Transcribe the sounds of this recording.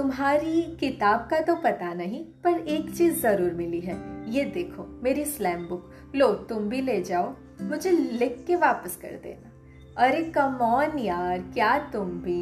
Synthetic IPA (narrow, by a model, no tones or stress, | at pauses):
t̪ʊmɦaːɾikɪt̪aːb̚kat̪opɐt̪anɐɦĩpɐɾeːkt͡ʃiːzːɐɾuːɾmɪliɦɛːjed̪eːkʰoːmeːɾislɛ̃ːmbʊk | loːt̪ʊmbʱileːd͡ʒaːoː | mʊd͡ʒʱelɪkːeʋaːpəskɐ̰ɾd̪ḛːnaː | ɐɾekɐmɔːnjaːɾkjaːt̪ʊmbʱiː